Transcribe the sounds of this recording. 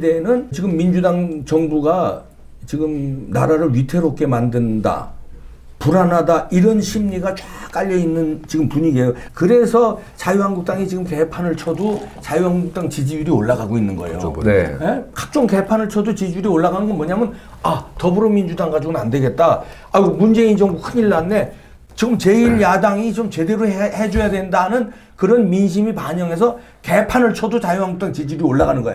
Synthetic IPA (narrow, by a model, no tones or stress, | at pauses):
ideːnɯnt͡ɕiɡɯmːind͡ʑudaŋt͡ɕʌŋbuɡa | t͡ɕiɡɯmna̰ɾaɾɯɭɥitʰe̞ɾok͈e̞mandɯnda̰ | puɾanɦadaʔiɾʌnɕʰimɲiɡat͡ɕwak͈aʎːʌinːɯnt͡ɕiɡɯmpuɲiɡe̞jokɯɾe̞sʰʌt͡ɕajuɦaŋɡuk̚t͈aŋit͡ɕiɡɯmke̞pʰanɯɭt͡ɕʰʌdot͡ɕajuɦaŋɡuk̚t͈aŋt͡ɕid͡ʑijuɾioɭːaɡaɡoinːɯnɡʌḛjo̰nnekak̚t͡ɕ͈oŋke̞pʰanɯɭt͡ɕʰʌdot͡ɕid͡ʑuɾioɭːaɡanɯnɡʌnmʌɲamɯn | atʌbɯɾomind͡ʑudaŋɡad͡ʑuɡɯnande̞ɡe̞t̚t͈a | aɡomund͡ʑe̞ind͡ʑʌŋbukʰɯniɭːanːe̞ | t͡ɕiɡɯmt͡ɕe̞iɭjadaŋit͡ɕomt͡ɕe̞de̞ɾoɦhed͡ʑojadwendanɯn | kɯɾʌnminɕ̬ʰimipaɲʌŋe̞s̬ʰʌ | ke̞pʰanɯɭt͡ɕʰʌdot͡ɕajuɦaŋɡuk̚t͈aŋt͡ɕid͡ʑuɾioɭːaɣanɯnɡʌḛo